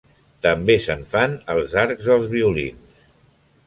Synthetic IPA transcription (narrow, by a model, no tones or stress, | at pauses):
t̪əmbesəɱfanəlˠzaɾɡzəlˠzβ̞iulḭns